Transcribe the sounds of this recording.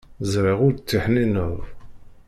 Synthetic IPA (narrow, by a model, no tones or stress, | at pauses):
zɾiʁʊɾt͡sːiħninəðˤ